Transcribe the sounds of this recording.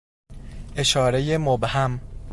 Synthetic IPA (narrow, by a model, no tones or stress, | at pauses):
ʔe̞ʃɒːɾejemobhæm